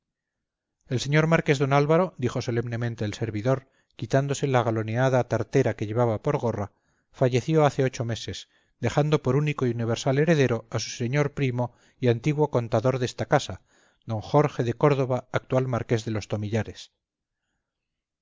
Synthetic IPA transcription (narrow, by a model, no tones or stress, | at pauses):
e̞lse̞ɲo̞ɾmaɾke̞zðo̞nalβaɾo̞d̪ixo̞so̞le̞mne̞mẽnt̪eːlse̞ɾβiðo̞ɾ | kit̪and̪o̞se̞laɣalo̞neaðat̪aɾt̪e̞ɾake̞ʎe̞βaβapo̞ɾɣo̞ra | faʝe̞θjo̞aθe̞o̞t͡ʃo̞me̞se̞s | d̪e̞xand̪o̞po̞ɾuniko̞iuniβ̞e̞ɾsale̞ɾe̞ðe̞ɾo̞asu̥se̞ɲo̞ɾpɾimo̞ | iant̪iɣwo̞ko̞nt̪aðo̞ɾðest̪akasa | d̪o̞ŋxo̞ɾxe̞ðe̞ko̞ɾðo̞βaːk̚t̪ualmaɾke̞zðe̞lo̞st̪o̞miʎaɾe̞s